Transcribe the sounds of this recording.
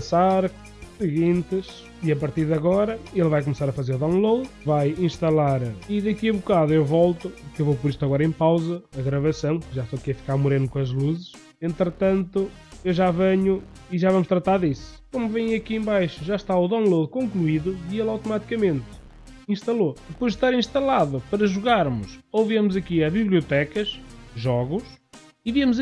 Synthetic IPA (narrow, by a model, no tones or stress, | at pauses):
ɐsaɾ | sɨɣĩnt̪ɨʃ | iɐpɐɾt̪iɾðɐɣɔɾɐelˠvajkumsaɾɐfɐzeɾuðõlˠoðvajĩʃt̪ɐlˠaɾiðɨkiβukaðuewvɔlˠt̪uukewvowp̬ɔɾiʃt̪ɐɣɔɾɐẽpawzɐɐɣɾɐvɐsɐ̃w̃kɨʒat̪okɛfi̥kaɾmuɾẽnkõɐʒlˠuzɨʃ | ẽnt̪ɾɨt̪ɐ̃nt̪u | ewʒavɐɲu | iʒavɐmʊʃt̪ɾɐt̪aɾðisu̥komuvẽj̃ɐkiẽbajʃuʒaʃt̪auðõñlˠoðukõŋklˠuiðuielˠawt̪umat̪i̥kɐmẽnt̪ | ĩʃt̪ɐlˠoðɨpojʒʃt̪aɾĩʃt̪ɐlˠaðupɐɾɐʒuɣaɾmʊʃoviɐmʊzɐkiɐβiβlˠiut̪ɛkɐʃʒɔɣuʃ | iviɐmuz